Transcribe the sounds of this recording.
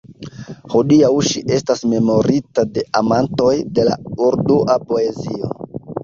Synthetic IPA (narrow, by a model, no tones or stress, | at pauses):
hodiawʃiʔe̞stasme̞mo̞ɾitade̞ʔamanto̞jde̞la̰uɾduʔapo̞e̞zio̞̰